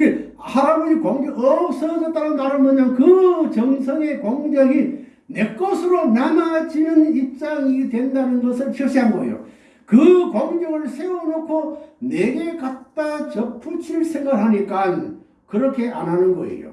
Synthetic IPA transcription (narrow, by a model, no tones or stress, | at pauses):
e | saɾamɯɾikwʌŋɡʌʌk̚s͈ʰʌd͡ʑʌtt͈aɾɯntaɾɯɭmʌɲankɯt͡ɕʌŋsʰʌŋe̞kwʌŋd͡ʑʌɡi | ne̞k͈ʌsʰɯɾomjamad͡ʑinɯnip̚t͡ɕ͈aŋitwe̞ndanɯnɡʌsʰɯɭɕʰjiɕ͈iɦamɡʌ̰jo̰ | kɯkwʌŋd͡ʑʌɡɯɭsʰe̞wonokʰoneɡekat̚t͈at͡ɕʌpʰut͡ɕʰiɭsʰe̞ŋɡaɾɦaɲik͈an | kɯɾʌkʰe̞ʔa̰nɦanɯnɡʌ̰ḛjo̰